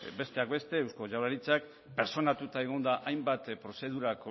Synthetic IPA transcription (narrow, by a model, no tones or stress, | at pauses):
be̞st̪e̞akbe̞st̪e̞ːwsko̞ʝawɾaɾit͡sak̚ | pe̞ɾt͡ʃo̞nat̪ut̪aeɣ̞o̞nd̪aʔajmbat̪pɾo̞se̞ð̞uɾako